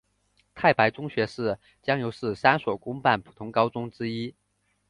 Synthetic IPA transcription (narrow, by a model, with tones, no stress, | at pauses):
t̪ʰa˥˩ɪpa˧˥ɪʈ͡ʂʊ˥ŋɕɥɛ˧˥ʂɻ̩˥˩ | t͡ɕjɑ˥ŋjo˧˥ʊʂɻ̩˥˩sa˥nswɔ˨˩kʊ˥ŋpa˥˩npʰu̥˨˩t̪ʰʊ˧˥ŋkɑ˥ʊt͡sʊ˥ŋʈ͡ʂɻ̩˥i˥